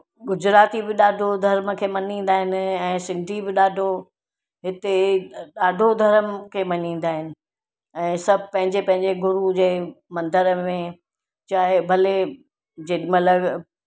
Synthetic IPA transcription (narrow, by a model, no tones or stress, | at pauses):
ɡʊd͡ʑɾaːt̪ibɪɗaːɖʱod̪ʱɐɾməkʰeːmɐnĩːn̆d̪aːɦɪnɪ̆ɛ̃ːsɪ̃ŋɡʈibɪɗaːɖʱo | ɦɪt̪eɗaːɖʱod̪ʱɐɾəmkʰeːmɐɲĩːn̆d̪aːɦɪnɪ̆ | ɛ̃ːsɐbʱɪpɐ̃ɦɪ̃ɲd͡ʑepɐ̃ɦɪ̃ɲd͡ʑeɡʊɾud͡ʑeːmɐ̃nd̪əɾəmẽ | t͡ɕaːɦebʱɐle | d͡ʑemɐt̪ləb